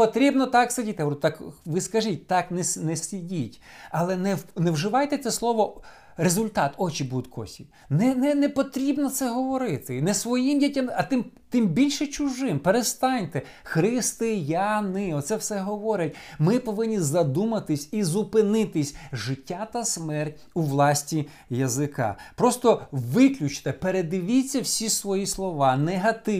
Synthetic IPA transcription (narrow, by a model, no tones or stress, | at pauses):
pɔt̪ɾʲibnɔt̪ɑksɐdʲit̪ɪt̪ɑkʋɪskɐʒitʲt̪ɑknɛsʲnɛsʲidʲitʲ | ɐlˠɛnɛnɛwʒɪʋɑjt̪ɛt̪sɛslˠɔʋɔ | ɾezʊlʲt̪ɑt̪ɔt͡ʃibud̪ʊt̪ʲkʰɔ̰sʲḭ | nɛnɛnɛpɔt̪ɾʲibnɔt̪sɛɦɔʋɔɾɪt̪ɪnɛsʋɔjimdʲitʲamɐt̪ɪm | t̪ɪmbʲilʲʃɛt͡ʃʊʒɪmpeɾest̪ɑnʲt̪ɛ | xɾɪst̪ɪjɑnɪɔt̪sɛwsɛɦɔʋɔɾʲɐtʲmɪpɔʋɪnʲːizɐd̪umɐt̪ɪsʲizʊpɪnɪt̪ɪsʲʒɪtʲːat̪ɐsmɛrtʲ | uʋlˠɑsʲtʲi | jɐzɪkɑ̰pɾɔst̪ɔʋɪklʲʊt͡ʃt̪ɛpeɾed̪ɪʋʲit͡sʲːɐwsʲisʋɔjislˠɔʋɑneɦɐt̪ɪ